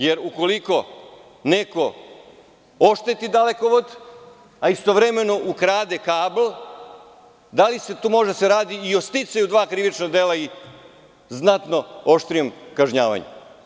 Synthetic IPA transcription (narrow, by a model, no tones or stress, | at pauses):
je̞ɾuko̞liko̞ | neko̞ | oʃt̪et̪id̪aleko̞ʋod̪ | aist̪o̞ʋɾe̞me̞no̞ʔukɾaːd̪ekaːblˠ | d̪alise̞t̪uːmo̞ʒed̪aseɾaːd̪iio̞st̪it̪sajud̪ʋaːkɾiʋit͡ʃnad̪eːlai | znat̪no̞oʃt̪ɾijo̞mkaʒɲaːʋa̰ɲḛ